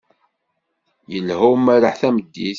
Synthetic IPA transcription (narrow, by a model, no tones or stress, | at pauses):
jəlhumːæɾəħθæməd̪ːiθ